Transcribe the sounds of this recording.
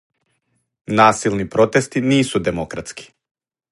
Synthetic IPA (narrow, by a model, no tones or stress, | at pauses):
nasilˠnipɾɔt̪ɛst̪inisud̪ɛmɔkɾat̪ski̥